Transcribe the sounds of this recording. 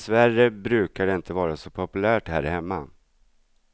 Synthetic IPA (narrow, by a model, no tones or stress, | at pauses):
svæɾjəbɾʉ̟ːkaɖɛɪnt̪əvɑːɾasɔpʰɔpɵlæːʈhæːɾhɛmːa